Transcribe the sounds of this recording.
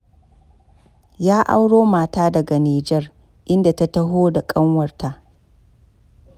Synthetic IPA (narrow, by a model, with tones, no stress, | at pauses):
jaː˦ʔa̰˦wɽoː˦maː˨taː˦dɐ˨ɡa˨niː˨d͡ʒɛ˦r | ʔɪ˦nda˨ta˦tɐ˦ɦoː˦da˨kʼɐ˦ŋwɐ˨rta˨ʔ